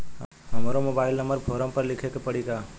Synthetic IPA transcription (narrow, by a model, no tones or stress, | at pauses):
ɦəmaɾomoːbaɪlnəməɾbʱoːɾə̃mpəɾlɪkʰekepəɽiɡaː